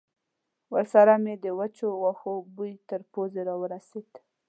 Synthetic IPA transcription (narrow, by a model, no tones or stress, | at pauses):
wəɾsaɾamed̪əwat͡ʃowaxobujt̪əɾpozeɾɑwəɾased̪